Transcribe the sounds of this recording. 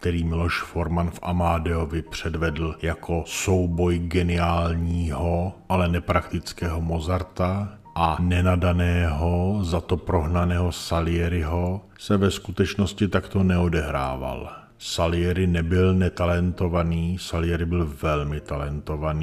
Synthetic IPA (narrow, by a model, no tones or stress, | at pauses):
k̚t̪ɛɾiːmɪlo̞ʃfo̞ɾmanfʔa̰maːdɛovɪpr̝̥ɛdvɛdl̩jakʰo̞so̞wbo̞jɡɛnɪaːlɲiːɦo̞ʔalɛnɛpɾakt̪ɪt͡skɛːɦo̞mo̞zaɾt̪a | ʔanɛnadanɛːɦo̞zat̪o̞pɾo̞ɦnanɛːɦo̞salɪjɛɾɪɦo̞ | sɛvɛskut̪ɛt͡ʃno̞scɪt̪akt̪o̞nɛo̞dɛɦɾa̰ːva̰l | salɪjɛɾɪnɛbɪlnɛt̪alɛnt̪o̞vaniːsalɪjɛɾɪbɪlvɛlmɪt̪alɛnt̪o̞vani